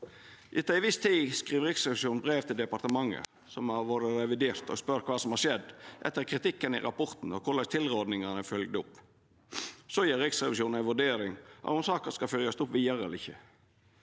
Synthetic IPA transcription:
ʔɪt̪ːɑɪʋɪst̪ʰiːskʁiːʋɾɪksʁɛʋɪʃuːnbɾeːʋt̪ʰɪld̪ɛpɑɾt̪əmɑŋːə̰ | sɔmɑʋoːɾəɾɛʋɪd̪eːɾt̪ɔ̰spœɾtkʰʋɑːsɔmhɑːɾʂɛd̪ːʔɛ̰t̪ːəɾkʰɾɪt̪ɪkːənɪ̰ɾɑpɔɾt̪n̩ɔkʰʊlɑɪt̪ʰɪlɾoːd̪nɪŋənəfœlɡ̚d̪əʊpː | soːjiːɾɪksʁɛʋɪʃuːn̩æɪʋʉɖeːɾɪŋɑ̰t̪ʊmsɑːkəskɑfœljɑst̪ʊpʋiːəɾɛ̰lɪçːə

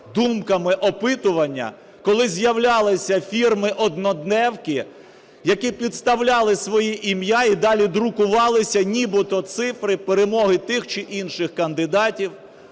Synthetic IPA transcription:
d̪umkɐmɪʔɔpɪt̪ʊʋɐnʲːɐ̰ | kɔlˠɪzʲjɐwlʲɑlˠɪsʲɐfʲirmɪʔɔd̪nɔd̪nɛwkɪ | jɐkipʲid̪st̪ɐwlʲɑlˠɪsʋɔjiʔimjaid̪ɑlʲid̪ɾʊkʊʋɑlˠɪsʲɐnʲibɪt̪ɔt̪sɪfɾɪpeɾemɔɦɪt̪ɪxt͡ʃɪʔinʃɪxkɐnd̪ɪd̪ɑtʲiw

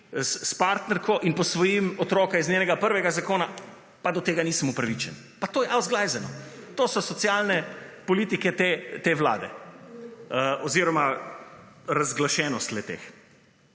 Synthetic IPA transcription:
sspaɾt̪nɛɾkɔʔinpɔsʋɔjimɔt̪ɾɔːkaiznʲeːnɛɡapəɾʋɛɡazakoːna | pad̪ɔt̪eːɡaniːsəmupɾaʋit͡ʃɛn | pat̪oːjɛʔawzɡlajzɛnɔ̰t̪oːsɔsɔt̪sjalnɛpɔliːt̪ikɛt̪et̪eːʋla̰ːd̪ɛ̰ | ɔziːɾɔma | ɾazɡlaʃɛːnɔst̪lɛt̪ḛːx

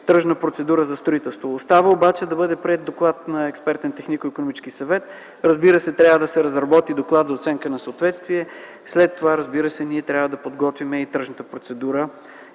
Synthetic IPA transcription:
t̪əʒnəpɾot̪sɛd̪uɾəzɐst̪ɾoit̪ɛlˠst̪voːst̪avəobat͡ʃɛd̪ɐbɤd̪ɛpɾiɛd̪̚d̪oklˠat̪nɐɛkspɛɾt̪ɛnt̪ɛxnikoikonomit͡ʃ̪skisɐvɛt̪ | ɾɐzbiɾəsɛt̪ɾʲavəd̪ɐsɛɾɐzɾɐbɔt̪id̪oklˠat̪zɐot̪sɛŋkənɐsəot̪vɛt̪st̪viɛ | slɛt̪ːovaɾəzbiɾəsɛniɛt̪ɾʲavəd̪ɐpod̪ɡɔt̪vimɛit̪ɾəʒnət̪əpɾot̪sɛd̪uɾə

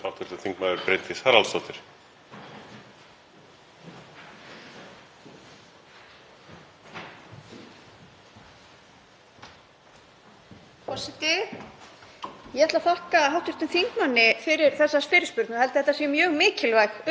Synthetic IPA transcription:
hawt̪ʰʏɾ̥t̪ʏnθiŋkmaðʏɾpɾejnt̪ɪshaɾalst̪ɔwt̪ɪɾ̥ | pɔsɪt̪ɪ | jɛɛt̪lafahkaɦawht̪ʰʏɾ̥t̪ʏnθiŋkmanːɪfɪɾɪɾ̥θɛsːasfɪːɾɪspʏɾt̪nahɛlt̪ɪθɛt̪asjɛmjœːɣmɪːcɪlvajx

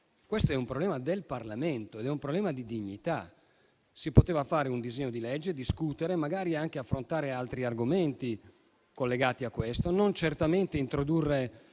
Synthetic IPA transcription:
kwest̪oɛumpɾoblɛːmad̪elparlament̪oed̪ɛumpɾoblɛːmad̪id̪iɲːit̪a | sipot̪eːvafaːɾeund̪izeɲːod̪ilɛd͡ʒːed̪iskut̪eɾemaɡaːɾiaŋk̟eafːɾont̪aːɾealt̪ɾiarɡoment̪i | kolːeɡaːt̪iakːwest̪onont͡ʃert̪ament̪eint̪ɾod̪urːe

